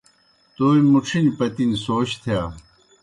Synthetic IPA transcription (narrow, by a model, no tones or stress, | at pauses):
t̪oːimuʈ͡ʂʰinpɐt̪insoːɕt̪ʰjaː